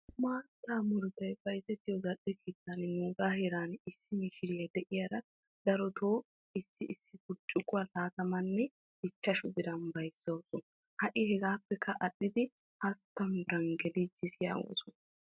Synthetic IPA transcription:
maːt̪ːaːmʊɾʊt̪ɐjfɐɾzɛt̪ːɪjɔzɐɗːɛkeːt̪ːɐnnuːɡ̪aːheɾaːnɪsːɪmɪʃɪɾɪjɐd̪ɛʔɪjɐɾɐ | d̪̥ɐɾɔt̪ʰoː | ɪsːɪʔɪsːɪfʊt͡ʃʼːʊkːʊɐlaːt̪ɐmɐnːɛ | ɪt͡ʃːɐʃʊb̪ɪɾɐnbɐjsːowsɔn | hɐʔɪhɛɡaːpːɛkʰːɐʔɐɗːɪd̪ɪ | hɐst̪ːɐmbɪɾɐŋɡɛlid͡ʒɪsɪja̰wo̰ːsɔnɐ

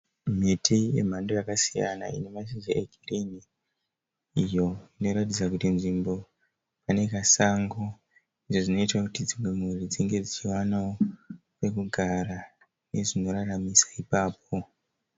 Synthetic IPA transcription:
m̤itʰije̞̰m̤ando̞jakasija̰na̰ḭne̞maʃid͡ʒaʔeɡʱirini | ijo̞ino̞ɾatid͡zakutinʐimbo̞ | pane̞kasaŋɡo | iʐoʐino̞itwakutid͡zimwemurid͡ziŋɡe̞d͡zit͡ʃiwanao | pe̞kuɡʱaɾa | ne̞ʐino̞ɾaramisḁipaːp̚ʰo̞

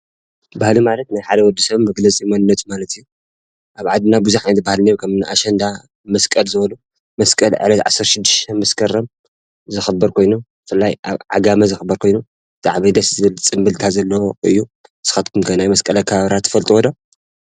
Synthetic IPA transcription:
bahlimalɐt̪najħad̪ɐwɔd̪ːisɐβmɐɡlɐt͡sʼimonɨnːɐt̪ʼmalɐt̪ʰɨjːu | ʔaβʕad̪ɨnabuzuħnabahlnɐkʰɐmnɨʔaʃɐnd̪a | mɐskʼɐlzɨβɐlu | mɐskʼɐlʕɨ̰lɐt̪ʕa̰sːɐɾʃɪd̪ːɨʃt̪ʰɐnmɐskʰɐɾɐm | zɨxɨbːɐɾkʰo̞jnubɨfɨlːajʔa̰βʕa̰ɡamɐzɨxɨbːɐɾkʰo̞jnu | za̰ʕβid̪ɐszɨβɨlt͡sʼɨmbɨlt̪ʰazɐlːɐwoɨ̰jːu | sɨ̥xat̪kʰumkʰɐnajmɐskʼɐlɐkʰɐβaβɾat̪ʰːɨ̥fɐlt̪ʼuwɔd̪o

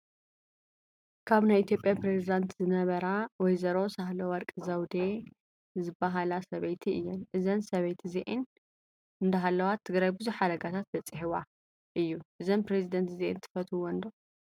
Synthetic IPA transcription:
kʰaβnajʔit̪ʰjo̞pʼjapɾe̞zid̪ant̪zɨnɐβɐɾawɔjzɐɾo̞sahlowɐɾkʼɨzɐwd̪e | zɨbːaɦalasɐβɐjt̪ʰiɨjːɛnʔɨzɐnsɐβɐjt̪ʰziʔin | ɨnd̪ɐɦalːɐwat̪ʰːɨɡɾajbɨzuħad̪ɐɡat̪ʰat̪b̪ɐt͡sʼɨħiwa | ʔɨjːuʔɨzonpɾezid̪ɐnt̪zeʔḭnt̪ʰɨ̥fɐt̪ʰuwɔnd̪o

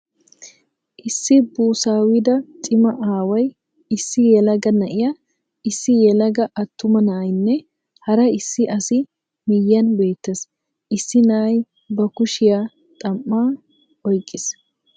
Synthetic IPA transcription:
ʔɪsːɪbuːsaːwɪd̪ɐt̪ʼɪmɐʔaːwɐj | ɪsːɪjɛlɐɡɐnɐʔɪja | ɪsːɪjɛlɐɡɐʔɐt̪ːʊmɐnɐʔɐjnːɛ | hɐɾɐɪsːɪʔɐsɪ | mɪjːɐnbe̞ːt̪ːes | ʔɪsːɪnɐʔɐj | bɐkʊʃɪja | t̪ʼɐmːaː | ɔjkʼːɪs

